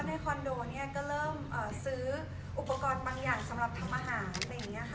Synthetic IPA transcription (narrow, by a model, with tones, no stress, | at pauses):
na˧jkʰɔ˧ndoː˧ni˥˩ɐkɔː˥˩ɾɤː˥˩mʔəː˨˩sɯː˦˥ | ʔu˨˩pːa˧kɔː˧nbaː˧ŋjaː˨˩ŋsa˨˩˦mɾa˨˩p̚t̪ʰa˧mʔaː˧ɦaː˩˦nla˧ŋi˦˥ʔa˧kʰ